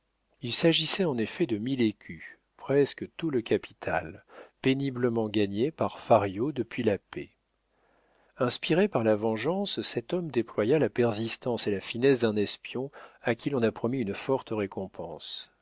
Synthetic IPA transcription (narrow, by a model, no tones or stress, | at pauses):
ilsaʒisɛɑ̃nefɛd̪əmilekʲʰy | pχɛskət̪uləkapi̥t̪ʰa̰lpenibləmɑ̃ɡaɲepaʁfaʁjod̪əpɥilapḛ | ɛ̃spiʁepaʁlavɑ̃ʒɑ̃ssɛt̪ɔmd̪eplwajalapɛʁzist̪ɑ̃selafinɛsd̪ɛ̃nɛspjɔ̃akʲilɔ̃napχɔmiynfɔʁt̪əʁekɔ̃pʰɑ̃s